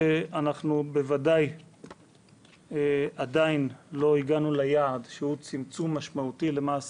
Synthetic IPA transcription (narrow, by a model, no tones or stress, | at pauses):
eanaχnube̞vadaj | ad̪ainlo̞iɡanulajaːd̪ʃehut͡simt͡sumːaʃmaut̪ile̞maːs